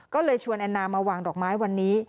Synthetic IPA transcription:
kɔː˥˩lɤː˧jt͡ɕʰu˧ə˧nʔa˧nːaː˧mːaː˧waː˧ŋdɔː˨˩k̚maː˦˥jwa˧nːiː˦˥

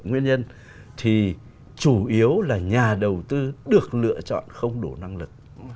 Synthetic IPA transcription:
ŋwi˧ənɲə˧n | t̪ʰi˨˩ | t͡ɕu˧˩ʔi˨˦əwlaː˨˩ɲaː˨˩ɗə˨˩wt̪ɨ˧ɗɨ˨˩ək̚lɨ̰˧˨ət͡ɕɔ̰˧˨nxə˧wŋ͡mɗu˧˩na˧ŋlɨ˨˩k̚

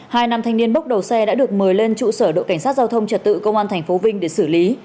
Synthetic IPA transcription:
haː˧jna˧mt̪ʰŋ̟ni˧ənɓə˦˥k͡p̚ɗə˨˩wsɛ˧ɗa̰ː˧˥ɗɨ˨˩ək̚mɨ˨˩əjle˧nt͡ɕṵ˧˨səː˧˩ɗo̰˧˨ka˧˩ŋ̟saː˦˥t̚zaː˧wt̪ʰə˧wŋ͡mt͡ɕə˨˩t̚t̪ɨ̰˧˨kə˧wŋ͡mʔaː˧nt̪ʰɛ˨˩ŋ̟fo˨˦vï˧ŋ̟ɗe˧˩sɨ˧˩li˨˦

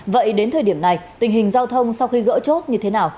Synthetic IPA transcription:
və̰˧˨jɗe˨˦nt̪ʰəː˨˩jɗi˧˩əmna˨˩jt̪ï˨˩ŋ̟ɦï˨˩ŋ̟zaː˧wt̪ʰə˧wŋ͡msa˧wxi˧ɣə̰ː˧˥t͡ɕo˦˥t̚ɲɨ˧t̪ʰe˨˦naː˨˩w

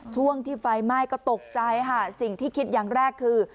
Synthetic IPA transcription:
t͡ɕʰu˥˩əŋt̪ʰiː˥˩fa˧jma˥˩jkɔː˥˩t̪o˨˩k̚t͡ɕa˧jkʰa˥˩si˨˩ŋt̪ʰiː˥˩kʰi˦˥t̪̚jaː˨˩ŋɾɛː˥˩kʰːɯː˧

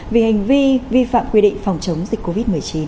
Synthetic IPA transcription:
vi˨˩ha˨˩jŋ̟vi˧vi˧fa̰ː˧˨mkwi˧ɗḭ˧˨ŋ̟fa˨˩wŋ͡mt͡ɕə˨˦wŋ͡mzi˨˩k̟̚ko˧vi˦˥t̚mɨ˨˩əjt͡ɕi˨˦n

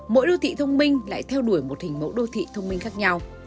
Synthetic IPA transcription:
mo̰˧˥jɗo˧t̪ʰḭ˧˨t̪ʰə˧wŋ͡mmï˧ŋ̟la̰ː˧˨jt̪ʰɛ˧wɗu˧˩əjmo˨˩t̚hï˨˩ŋ̟mə̰˨˦wɗo˧t̪ʰḭ˧˨t̪ʰə˧wŋ͡mmï˧ŋ̟xaː˦˥k̚ɲa˧w

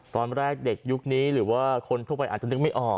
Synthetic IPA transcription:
t̪ɔː˧nɾɛː˥˩k̚de˨˩k̚ju˦˥k̚niː˦˥ɾɯː˩˦waː˥˩kʰo˧nt̪ʰu˥˩pa˧jʔaː˨˩t̚t͡ɕa˩nɯ˦˥k̚ma˥˩jʔɔː˨˩

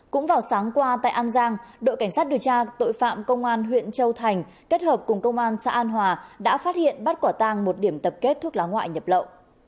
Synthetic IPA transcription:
kʊ̰˧˥ŋ͡mvaː˨˩wsaː˨˦ŋkwaː˧t̪a̰ː˧˨ʔaː˧nzaː˧ŋɗo̰˧˨ka˧˩jŋ̟saː˦˥t̚ɗi˨˩əwt͡ɕaː˧t̪o̰˧˨jfa̰ː˧˨mkə˧wŋ͡mʔaː˧nɦwḭ˧˨ənt͡ɕə˧wt̪ʰa˨˩jŋ̟ | ke˦˥t̚həː˨˩p̚kʊ˨˩ŋ͡mkə˧wŋ͡mʔaː˧nsa̰ː˧˥ʔaː˧nɦwaː˨˩ɗa̰ː˧˥faː˦˥t̚hḭ˧˨ənɓa˦˥t̚kwaː˧˩t̪aː˧˩ŋmo˨˩t̚ɗi˧˩əmt̪ə˨˩p̚ke˦˥t̚t̪ʰu˦˥ək̚laː˨˦ŋwa̰ː˧˨jɲə˨˩p̚lə̰˧˨wʔ

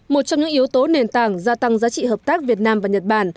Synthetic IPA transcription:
mo˨˩t̚t͡ɕɔ˧wŋ͡mɲɨ̰˧˥ŋʔi˨˦əwt̪o˨˦ne˨˩nt̪aː˧˩ŋzaː˧t̪a˧ŋzaː˨˦t͡ɕḭ˧˨həː˨˩p̚t̪aː˦˥k̚vi˨˩ət̚naː˧mvaː˨˩ɲə˨˩t̚ɓaː˧˩n

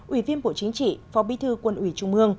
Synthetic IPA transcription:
ʔwi˧˩vi˧ənɓo̰˧˨t͡ɕi˨˦ŋt͡ɕḭ˧˨fɔ˨˦ɓi˨˦t̪ʰɨ˧kwə˧˩nʔwi˧˩t͡ɕʊ˧ŋ͡mmɨ˧əŋ

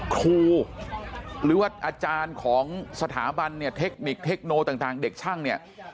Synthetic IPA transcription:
kʰuː˧ | ɾɯː˨˩˦waː˥˩ʔaː˧t͡ɕaː˧nkʰɔː˩˦ŋsa˧t̪ʰa̰ː˩˦ba˧nːi˥˩ɐt̪ʰe˦˥k̚ni˨˩k̚t̪ʰe˦˥k̚noː˧t̪aː˨˩ŋt̪aː˨˩ŋde˨˩k̚t͡ɕʰaː˥˩ŋni˥˩ɐ

